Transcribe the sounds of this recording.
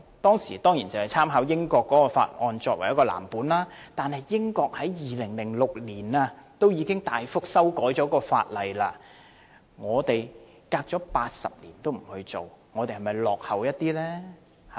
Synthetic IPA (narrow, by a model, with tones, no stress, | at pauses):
t̪ɔː˥ŋsiː˨˩t̪ɔː˥ŋjiː˨˩nt͡sɐ˨whɐ˨˩jt͡sʰaː˥mɦaː˨˥wjɪ˥ŋkɔː˧kːɔː˨˥kɔː˧fa̰ː˧t̚ʔɔː˧nt͡ʃɔː˧k̚wɐ˨˩jɐ˥kɔː˧la̰ː˨˩mpuː˨˥nlaː˥t̪aː˨nhɐ˨jːɪ˥ŋkɔː˧k̚hɐ˨˥jjiː˨lɪ˨˩ŋlɪ˨˩ŋlʊ˨k̚liː˨˩naː˧t̪o˥wjiː˨˧kɪ˥ŋt̪aː˨jfʊ˥k̚sɐ˥wkɔː˨˥jt͡ʃɔː˨˥kɔː˧fa̰ː˧t̚lɐ˨jlaː˧ | ŋɔː˨˧t̪e˨j | kaː˧k̚t͡ʃɔː˨˥paː˧t̚sɐ̰˨p̚lḭː˨˩nt̪o˥wm̩˨˩hɵ˧ɥt͡so˨wŋɔː˨˧t̪e˨hɐ˨˩mɐ˨jlɔː˨k̚hɐ˨wjɐ˥t̚t̪iː˥lɛː˥ | h